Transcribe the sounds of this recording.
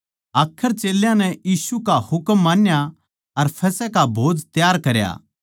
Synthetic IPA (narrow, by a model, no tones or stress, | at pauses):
aːkʰːəɾt͡ʃeːljãnɛjiːsukahʊkmːãːnja | ɐɾpʰɛːsɛkabʱoːd͡zt̪jaːɾkɐɾja̰ː